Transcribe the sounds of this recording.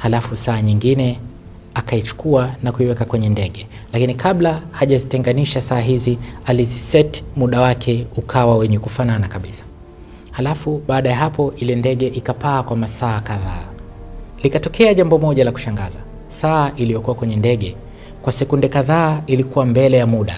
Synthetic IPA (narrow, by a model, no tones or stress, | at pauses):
halafusaːɲiŋɡinɛ | akait͡ʃu̥kuanakuiwɛkakwɛɲɛndɛɠɛ | lakinikaɓlahaʄazitɛŋɡaniʃasaːɦizializisɛti̥muɗawakʰɛukʰawawɛɲɛkufananakaɓisḁ | halafuɓaːɗajaɦapɔʔilɛndɛɠɛʔikapaːkwamasaːkaða̰ː | likatɔkʰɛaʄambɔmɔʄalaku̥ʃaŋɡaza | saːʔilijɔkuwakwɛɲɛndɛɠɛ | kwasɛkundɛkaðaːilikuwambɛlɛjamuɗa